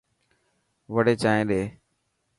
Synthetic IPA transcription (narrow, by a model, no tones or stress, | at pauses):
ʋəɽeːt͡ʃaːẽːɗeː